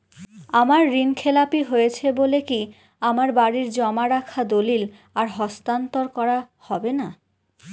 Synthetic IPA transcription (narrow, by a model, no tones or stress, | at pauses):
amaɾːinkʰelapiɦojet͡ɕʰeboleki | amaɾbaɽiɾd͡ʑɔmaɾakʰad̪olil | aɾɦɔst̪ant̪oɾkɔɾa | hɔbena